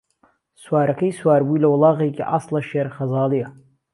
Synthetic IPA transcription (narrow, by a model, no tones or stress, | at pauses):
swaːɾɐkʰɐjswaːɾbuilɐwlˠɑːɣejkʰʲiʔaslɐʃeɾχɐzɑːlijɐ